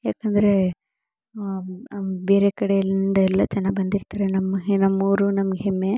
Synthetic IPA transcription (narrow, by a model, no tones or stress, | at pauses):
ɦaːkɐnd̪ɐɾe̞ | be̞ːɾe̞kɐɽejɐlːind̪ɐɛlːɐt͡ʃɐnːaɡbɐnd̪iɾt̪aɾenɐmːɐɦnɐmːuːɾunɐmɐɡeɦemːe